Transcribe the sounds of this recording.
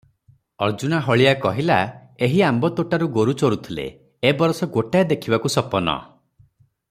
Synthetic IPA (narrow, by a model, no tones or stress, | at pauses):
ɔɾd͡ʒunaɦɔɭijakɔɦilaeɦiambɔt̪oʈaɾuɡoɾut͡ʃoɾut̪ʰilḛ | ebɔɾɔsɔɡoʈaed̪ekʰibakusɔpɔnɔ̰